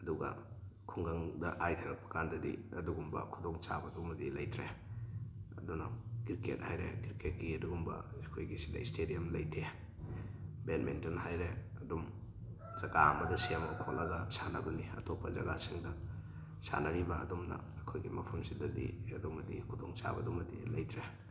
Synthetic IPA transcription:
ɐduɡɐ̰kʰuŋɡaŋdɐʔajtʰɐɾɐk̚pʰɐ̥kandɐdḭɐduɡumbɐ̰kʰudoŋt͡ʃabɐdumɐdilɐjtʰɾe | ɐdunɐɡ̥iɾkḛt̚hajɾḛɡiɾket̚kiɐduɡumbɐ̰kʰojɡisidɐ̰istediɐmlɐjtʰe | ben̚mʔḛntenhajɾe | ɐdum | z̥ɐɡaɐmɐdɐsiamɐkʰolɐɡɐsanɐ̰ɡuniɐ̰tʰopʰːɐzɐ̰ɡasiŋdɐ | sa̰nɐɾibɐɐ̰dumnɐ̰ːkʰojɡimɐpʰɐmsidɐdḭɐdumɐdḭkʰudoŋt͡ʃa̰bɐ̰dumɐdḭlɐjtʰɾe

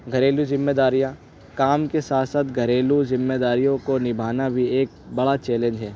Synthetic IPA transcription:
ɡʱɐɾeːluzɪmːeːd̪aːɾijã | kaːmkesaːt̪ʰsaːt̪ɡʱɐɾeːluzɪmːeːd̪aːɾijõkonɪbʱaːnabʱieːk̚bɐɽat͡ʃɛːlẽnd͡ʒɦɛː

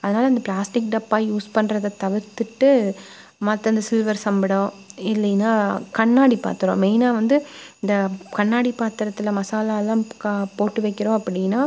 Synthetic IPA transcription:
ɐðɐnaːlɐnd̪ɐplaːsʈɪk̚ɖɐpːaːjuːspɐɳːɾɐðɐt̪ɐʋɪɾt̪ːɯʈːɯ | mɐt̪ːɐ̃ɪnd̪ɐsɪlʋɐɾsɐmbɐɽõːɪlːɛnaːkɐɳːaːɽipa̰ːɾt̪ɯɾõ̰ːmeːnaːʋɐnd̪ɯɪnd̪ɐkɐɳːaːɽipaːɾt̪ːɪɾɐt̪ːɯlɐmɐsaːlaːlːãːkpoːʈːɯʋɐɪkːɪɾõːɐpːɐɽɪnːaː

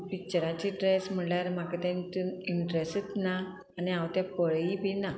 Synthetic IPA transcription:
pik̚t͡ɕəɾat͡ɕiʈɾesm̤əɳljaɾmakət̪ãnt̪uniɳʈɾesət̪naː | niaʋt̪apəɭipina

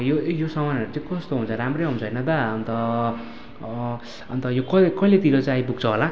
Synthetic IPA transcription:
jojosʌmanʌɾut͡saĩkʌst̪oɦunt͡sʰʌɾamrʌɦũnt͡sʰʌʌjnʌt̪ʌʌnt̪ʌ | ʌnt̪ʌjokʌekʌilet̪iɾot͡saĩajbuk̚t͡sʰʌɦola

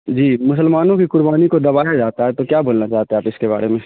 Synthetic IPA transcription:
d͡ʒiːmʊsəlmaːnõkikʊɾbaːnikod̪ɐbaːjad͡ʒaːt̪aɦɛt̪okjaːboːlnat͡ʃaːɦt̪ẽaːpɪskeba̰ːɾemẽː

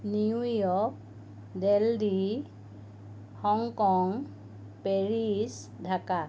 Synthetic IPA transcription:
niujɔk̚ | deldi | hɔŋkɔŋ | peɹis | dʱaka

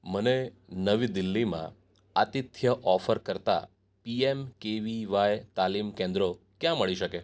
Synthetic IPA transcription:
məne | nəʋid̪ɪlːimã̰ | at̪it̪ʰjəʔɔfəɾkəɾt̪a̰ | piemkeʋiʋajt̪alimkẽnd̪ɾo | kjãməɭiʃəke

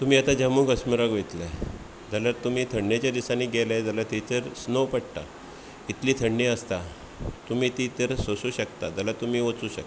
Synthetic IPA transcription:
t̪um̤iːat̪ad͡ʑəmũːɡəsməɾaɡʋet̪la | d͡zalaɾt̪um̤iːt̪ʰəɳːet͡ɕjad̪isaniɡelad͡zalat̪it̪əɾsnowpəɽʈ̪a̰ | it̪liːt̪ʰəɳːeəst̪a | t̪um̤iːt̪it̪əɾsosuːɕəkt̪ad͡zalat̪um̤iːʋət͡suːɕə̰k̪

